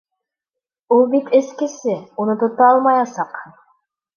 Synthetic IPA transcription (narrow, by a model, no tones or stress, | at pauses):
ulˠbit̪ʰɘ̆skɘ̆sɘunɤt̪ŏt̪ɑɑlˠmɑjɑsɑq